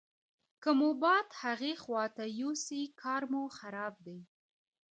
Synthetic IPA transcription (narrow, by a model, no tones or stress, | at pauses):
kəmubɑd̪haɣexwɑt̪ajusikʰɑɾmuxaɾɑb̚d̪ej